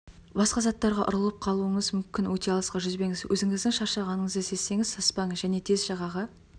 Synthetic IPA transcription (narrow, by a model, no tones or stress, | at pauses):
bɑsqɑzɑt̪ːɑɾʁɑʔʊ̰ɾəlˠəp̚qʰɑlˠuəɴəzmʏmkʲɪnwɵt̪e̞ɑlˠəsqɑʒʏzbe̞ŋɪzwʔɵzɪŋɪzd̪ɪŋʃɑɾʃɑʁɑnəɴəzd̪ese̞sːe̞ŋɪzsɑspɑɴʒæne̞t̪ʰe̞zʒɑʁɑʁɑ